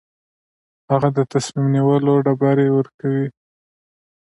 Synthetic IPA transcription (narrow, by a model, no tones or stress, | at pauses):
haɣad̪ət̪asmimniwəloɖabaɾewəɾkawi